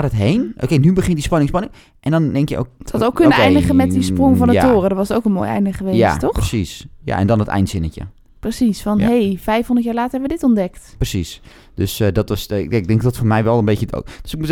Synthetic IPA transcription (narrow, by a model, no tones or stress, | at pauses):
atətɦejnʔo̰kejnybəχɪntdispɑnɪŋspɑnɪŋ | ʔɛndɔndɛŋkjə̰ʔo̰ktowkkːønnəejndəχəmɛtdisprʊŋvɔnətoːrədɔʋɑsətowkənmo̰ːjɛ̰jndəχəʋeːja̰ttɔxəsisja̰ɛ̰ndɔnətɛ̰jntsɪnəcə̰ | prəsisfɔnɦejfɛjfhõndətjaːɹlaːtəɹɦɛbəʋədɪtɔndɛktprəsis | d̥øsdɔtʋɑsɪɡ̚dɛŋkdɔtfoːɹmɛjʋɛlˠənbecəto̰kd̥øsɪk̚mut